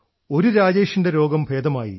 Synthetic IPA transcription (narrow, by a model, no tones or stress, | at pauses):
o̞ɾuɾaːd͡ʑeːʂɐndeɾo̞ːɡɐmbʱeːd̪ɐmaːjḭ